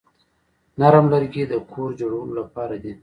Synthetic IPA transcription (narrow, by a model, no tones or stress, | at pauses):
naɾəmlaɾɡid̪əkʰoɾd͡ʒoɽulolapɑɾad̪i